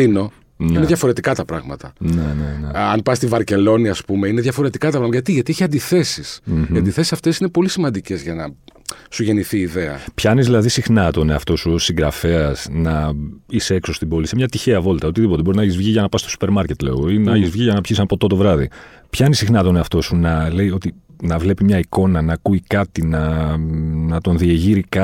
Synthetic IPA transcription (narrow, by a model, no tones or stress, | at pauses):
ino̞ | nineðʝɐfo̞ɾe̞t̪ikɐt̪ɐpɾɐɣmɐt̪ɐ̰neneneɐnpɐst̪ivɐɾce̞lo̞niɐspumeineðʝɐfo̞ɾe̞t̪ikɐt̪ɐpɾɐmɐɐʝɐt̪iʝɐt̪ieçiɐnd̪iθe̞sism̩iɐnd̪iθe̞sisɐft̪e̞sine̞po̞lisimɐnd̪ice̞zʝɐnɐsuʝe̞niθiːðeɐpçɐnizðilɐðisixnɐt̪o̞ne̞ɐft̪o̞susiŋɡɾɐfe̞ɐz̥nɐiseekso̞st̪ibo̞lisemɲɐt̪içeɐvo̞lt̪ɐo̞t̪iðip̬ot̪e̞bo̞ɾinɐɐçizvʝiʝɐnɐpɐst̪o̞su̥pe̞ɾmɐɾce̞t̪le̞̰oinɐɐçizvʝiʝɐnɐpçisɐnɐpo̞t̪ot̪o̞vɾɐðḭ | pçɐnisixnɐt̪o̞ne̞ɐft̪o̞sunɐle̞jo̞t̪inɐvle̞pimɲɐiko̞nɐnɐːkuikɐt̪inɐ | nɐt̪o̞nðieʝiɾikɐ